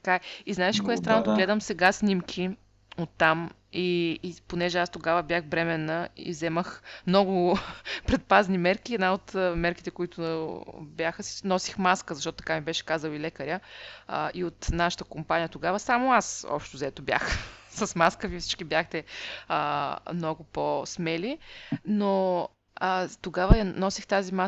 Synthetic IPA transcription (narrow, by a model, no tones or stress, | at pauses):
t̪ɐ̥kaiznaɛʃɛ̥koɛst̪ɾanːot̪oɡlɛd̪əmsɛɡasnʲimkʲʰi | ot̪ːam | iponɛʒɛast̪oɡavəbʲjaxbɾɛmɛnːəḭzɛməxmnɔɡʊpɾɛt̪̚paznimɛɾkʲiɛd̪naot̪mɛɾkit̪ɛkoit̪ʊ | bjaxəsinɔsixmaskəzɐʃt̪ɔt̪ʊt̪ɐ̥kamibɛʃɛ̥kazəlˠilɛkəɾʲjəə̰ʔiot̪naʃə̥t̪əkompanʲijət̪oɡavəsamoasɔ̰pʃt̪ʊzɐɛt̪obja̰xsəsmaskəviəfsi̥t͡ʃkibjaxt̪ɛəmnɔɡʊposmɛlino | ət̪oɡavəjɐnɔsixt̪azima